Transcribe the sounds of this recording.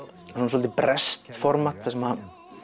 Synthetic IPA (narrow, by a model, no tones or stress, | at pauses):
unsɔlt̪ɪpɾɛst̪fɔɾmḁt̪θɛsɛma